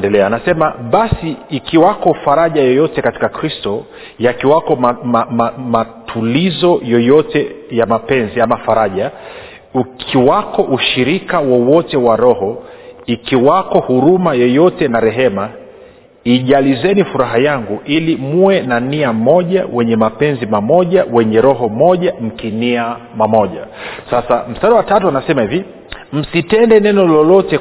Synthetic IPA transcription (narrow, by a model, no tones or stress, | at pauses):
ndɛlɛanasɛmaɓasiːkiwakɔfaɾaʄajɔjɔtɛkati̥kakɾistɔ | jakiwakɔmaamamatʰulizɔjɔjɔtɛjamapɛnziamafaɾaʄa | ukʰiwakɔʔuʃiɾikawɔwɔtɛwaɾɔhɔikiwakɔhuɾumajɔjɔtɛnaɾɛɦɛma | iʄalizɛnifuɾaɦajaŋɡuʔilimuwɛnaniam̩mɔʄawɛɲɛmapɛnzimamɔʄawɛɲɛɾɔɦɔmɔʄam̩kiniamamɔʄa̰sasam̩staɗawatatuanasɛmahivi | m̩sitɛndɛnɛnɔlɔlɔtɛ